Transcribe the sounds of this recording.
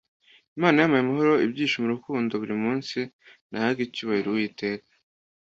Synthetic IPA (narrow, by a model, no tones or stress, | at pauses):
imaːnajamajemaɦo̞ɾo̞ibɟiːʃomuɾukuːndo̞βuɾimuːnsi | nahaɡicuβahiɾowiːte̞ːkḁ